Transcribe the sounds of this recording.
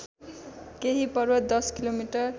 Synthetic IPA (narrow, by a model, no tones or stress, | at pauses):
keɦipʌrwʌd̪ʌskilomiʈʌr